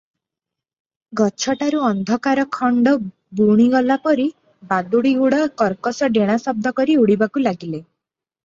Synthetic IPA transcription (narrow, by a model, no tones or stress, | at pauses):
ɡɔt͡ʃʰɔʈaɾuɔnd̪ʱɔkaɾɔkʰɔɳɖɔ | buɽ̃iɡɔlapɔɾi | bad̪uɽiɡuɽakɔɾkɔsɔɖeɽ̃asɔb̚d̪ʱɔkɔɾiuɽibakulaɡile